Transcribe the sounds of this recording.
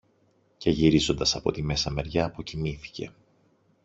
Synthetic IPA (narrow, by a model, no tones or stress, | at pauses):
ce̞ʝiɾizo̞nd̪ɐsɐpo̞̰t̪ime̞sɐme̞ɾʝɐːpo̞cimiθi̥ce̞̰